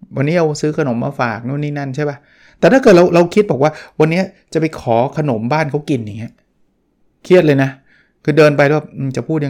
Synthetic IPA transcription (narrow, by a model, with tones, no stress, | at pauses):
wa˧nːiː˦˥ɾa˧wsɯː˦˥kʰa˧no˩˦mːaː˧faː˨˩k̚nuː˥˩˨niː˥˩na˥˩nt͡ɕʰa˥˩jba˦˥ | t̪ɛ˨˩a˥˩kɤː˨˩t̪̚ɾa˧wɾa˧wkʰi˦t̪̚bɔː˨˩kwaː˥˩wa˧nːi˦˥ɐt͡ɕa˨˩pa˧jkʰɔː˩˦kʰa˧no˩˦mbaː˥˩nkʰa˦˥wki˧nja˨˩ŋːi˦˥ɐ | kʰi˥˩ət̪̚lɤ˧jna˦˥ | kʰɯː˧dɤː˧npa˧jlwa˥˩ʔɯː˧t͡ɕa˨˩pʰuː˥˩t̪̚ja˧